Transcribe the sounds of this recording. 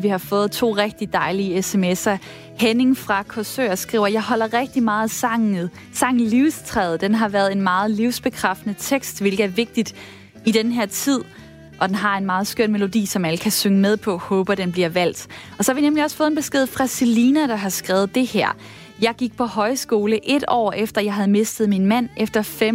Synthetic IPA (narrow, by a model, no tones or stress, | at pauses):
ʋihɑ̈fɔ̽ːð̞̩ˠt͡sʰo̝̰ːʁɛɡ̥̚d̥id̥ɑ̈ɪliəesemesɐ | hene̝ŋfʁɑ̈kʰɒsø̰ːɐsɡ̥ʁḭʊ̰ɐjɑ̈ɪɦɒ̽l̰ɐʁɛɡ̥̚d̥imɑ̈ːð̩ˠɑŋ | sɑ̈ŋ̰liʊst͡sʰʁɛːð̞̩ˠd̥enɦɑ̈ʋæːɐð̩ˠe̝nmɑ̈ːð̞̩ˠliʊsb̥e̝kʰʁafd̥nət͡sʰeɡ̥sd̥ʋe̝lɡ̥ðˠæɐʋe̝ɡ̥̚d̥id̥ | id̥enɦeɐ̰t͡sʰið̞̰ˠ | ʔɒ̽d̥enɦɑ̈e̝nmɑ̈ːð̞̩ˠsɡ̥øɐ̰nme̝lo̝d̥ḭːsɒ̽mæləkʰæsøŋəmeð̞ˠpʰɒ̽hɔːb̥ɐd̥enb̥liɐʋæl̰d̥ɒ̽sɒ̽hɑʋinemliɒ̽sfɔ̽ːðˠenb̥e̝sɡ̥e̝ð̞̰ˠfʁɑ̈siliːnæd̥ɑ̈ɦɑ̈sɡ̥ʁɛːʊð̞̩ˠd̥e̝hæɐ̰ | jɑ̈ɪɡ̥iɡ̥̚pʰɒ̽ɦɒ̽ɪsɡ̥o̝ːləʔe̝d̥ɒ̰ːefd̥ɐjɑ̈ɪɦæð̞̩ˠme̝sd̥əð̩ˠminmæn̰ʔefd̥ɐfem